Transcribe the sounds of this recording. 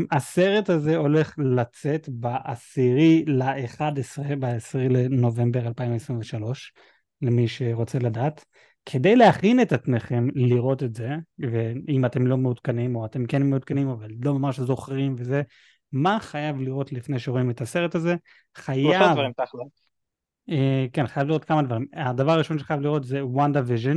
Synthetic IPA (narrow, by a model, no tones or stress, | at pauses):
ase̞ʁe̞taze̞o̞leχlat͡se̞tbaʔasiʁilaʔeχadesʁebaesʁileno̞ve̞mbe̞ʁalpaimvesʁiɱveʃalo̞ʃ | lemiʃe̞ʁo̞t͡se̞ladaːt | kʰe̞dejleaχinetat͡sneχe̞mliʁo̞tetze̞veimate̞mlo̞meud̪kanimo̞ate̞mkenmeud̪̚kanimavalːo̞mamaʁʃezo̞χʁimve̞ze̞ | maχajavliʁo̞tlifnejʃeʁoime̞tase̞ʁe̞taze̞ | χajavaʁimt̪aχlo | ekenχajavliʁot̚kamad̪vaʁimadavaʁaʁiʃo̞nʃeχajavliʁo̞tzewandaviʒen